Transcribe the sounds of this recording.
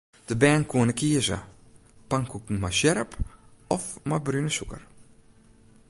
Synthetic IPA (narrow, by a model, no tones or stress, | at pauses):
d̥əbɛːnkʰuənəkʰiəzə̰ | paŋkʰukn̩masjɛɾəpɔfmabrynəsukə̰r